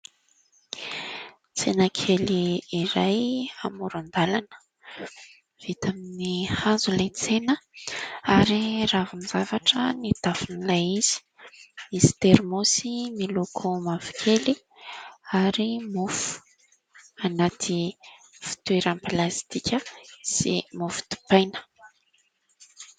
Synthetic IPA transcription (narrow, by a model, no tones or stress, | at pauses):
t͡senakʰeliːɾajamuɾand̪alanə̥ | v̥it̪aminihazulajt͡senə | aɾiravunizavaʈ͡ʂənit̪afinilajiz̥i̥ | misi̥t̪eɾmosimilokʰomavi̥kʰʲeli | aɾimufu̥ | anat̪ʰi | fi̥t̪ueɾanplast̪ikʲəsḭmufu̥t̪u̥pajnə̥